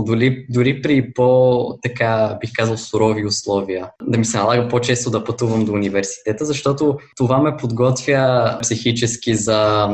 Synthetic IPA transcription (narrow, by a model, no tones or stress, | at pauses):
d̪ʊlid̪ʊɾipɾipot̪ɐkabixkazəlˠsʊɾɔviʊslˠɔvijəd̪ɐmisɛnɐlˠaɡəpot͡ʃɛst̪od̪ɐpɐt̪uvəmd̪oːnivɛɾsi̥t̪ɛt̪əzɐʃt̪ɔt̪ot̪ovamɛpod̪ɡɔt̪vʲjəpsixit͡ʃɛsk̟ʲizɐ